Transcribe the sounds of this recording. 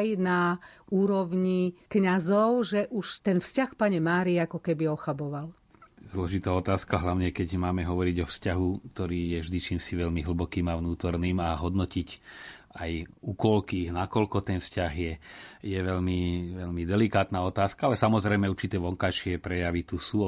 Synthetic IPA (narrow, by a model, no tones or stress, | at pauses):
jnauːɾɔʋɲikɲazɔʊʒɛʔuʃt̪ɛnfscaxpaɲɛmaːɾiakɔkɛbiɔxabɔʋal | zlɔʒit̪aːɔt̪aːskaɦlaʊɲɛkɛɟmaːmɛɦɔʋɔɾiɟɔfscaɦukt̪ɔɾiːjɛʒd̪it͡ʃiːmsiʋɛʎmiɦl̩bɔkiːmaʊnuːt̪ɔɾniːmaɦɔd̪nɔcic | ajuːkɔlkiːɣnakɔlkɔt̪ɛnfscaɣjɛjɛʋɛʎmiʋɛʎmid̪ɛlikaːt̪naɔt̪aːskaalɛsamɔzɾɛjmɛuɾt͡ʃit̪ɛːʋɔŋkajʃɪɛpɾɛjaʋit̪usuː